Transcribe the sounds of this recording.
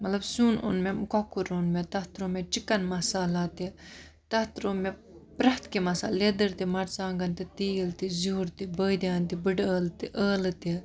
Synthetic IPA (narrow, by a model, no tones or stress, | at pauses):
mɐt̪lɐbsuːnṵnmemkokːuɾoːnmet̪ɐht̪ɾomet͡ʃikɐnmɐsaːlaːt̪i | t̪ɐht̪ɾoːme | pɾɐht̪kimɐsaːlːed̪ɨɾt̪imɐɾt͡saːŋɡɐnt̪it̪iːilt̪izuːɾt̪ibəːd̪aːnt̪ibɨɖəːlt̪iʔəːlt̪i